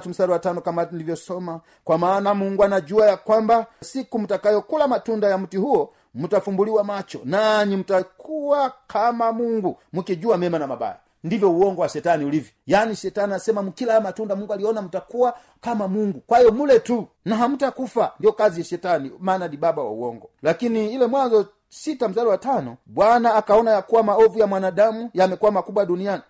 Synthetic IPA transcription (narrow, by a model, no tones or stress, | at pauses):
tum̩saɾɛwatanɔkamandivjɔsɔma | kwamaːnamuŋɡwanaɟuajakwambasikum̩takajɔkulamatundajam̩tihuɔ | mutafumbuliwamat͡ʃɔ̰naɲim̩takʰuwakʰamamuŋɡumukiɟuamɛmanamaba̰ja̰ | ndivjɔuɔŋɡɔwaʃɛtaniulivjɔjaniʃɛtaniasɛmamukilamatundamuŋɡualiɔnam̩takuwa | kamamuŋɡukwaijɔmulɛtu | naɦam̩takufandiɔkaziaʃɛtanimaːnadibabawa̰ṵwɔŋɡɔlakiniːlɛmwanzɔ | sitam̩zalɔwatanɔbwanaːkaɔnajakuwamaɔvujamwanadamujamɛkuwamakubwaduniani